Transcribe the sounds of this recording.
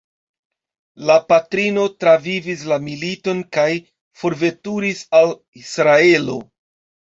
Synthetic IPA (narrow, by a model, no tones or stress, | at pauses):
lapatɾino̞tɾavivis̬lamilito̞nkaj | fo̞ɾve̞tuɾisal | isɾae̞lo̞̰